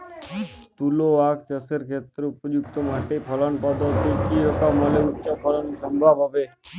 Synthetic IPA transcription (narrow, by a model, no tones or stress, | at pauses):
t̪uloakt͡ʃəsəɾkʰet̪ɾupəd͡ʒuk̚t̪omaʈepʰələnpəd̪ət̪ːikiɦət̪aməleutːt͡ʃapʰələnisəmbʱabɦaʋe